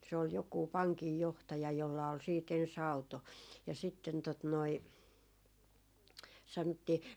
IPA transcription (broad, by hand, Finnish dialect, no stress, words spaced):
se ol jokuˑ pɑŋkijːohtɑjɑ jolːɑ ol siːt ens ɑuto jɑ sitːen tot noi sɑnŏtːiː